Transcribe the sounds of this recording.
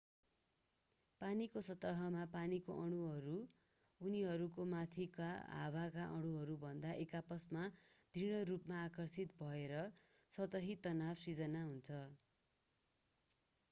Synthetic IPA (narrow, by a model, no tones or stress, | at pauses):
panikosʌt̪ːʌɦʌmapanikoʔʌɽ̃uɦʌɾu | uniɦʌɾukomat̪ʰikaɦa̰wakaʔʌɽ̃uɦʌɾubʱʌnd̪aʔekapʌsmad̪̥ʱiɽ̃ʌrupmaːkʌrsit̪bʱʌeɾʌ | sʌt̪ʌɦit̪ʌnabsid͡zʌnaɦunt͡sʰʌ